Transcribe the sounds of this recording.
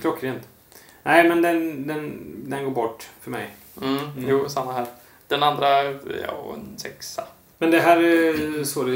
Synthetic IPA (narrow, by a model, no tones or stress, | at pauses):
kʰlɔkːɾeːnt̪ | nʔæɪmɛnd̪ɛnd̪ɛnd̪ɛnɡoːɾbɔʈːfœɾmɛ̰j̩ | juːsamːaɦæːɾ | d̪̥ɛnand̪ɾajɑ̰ːɛ̰nsɛksa | mɛnd̪ɛɦæːɾæsoːd̪ɛ